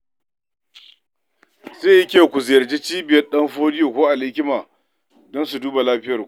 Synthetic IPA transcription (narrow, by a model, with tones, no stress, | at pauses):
zeː˦˨ji˦kʲeː˨kʷʊ˨zɪ˨jɐ˨rd͡ʒe˦t͡ʃiː˦bɪ˨jɐ˦rɗɐ˦mɸoː˦dɪ˦joː˨kʷoː˦ʔa˨lɪ˦kʲɪ˦maː˨ | dɔ˦nsu˨duː˦ba˨laː˦ɸɪ˦jɐ˨